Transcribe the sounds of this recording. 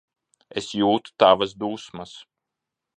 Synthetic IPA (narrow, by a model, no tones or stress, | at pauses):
esjuːt̪u̥t̪avɐsd̪uːsmɐs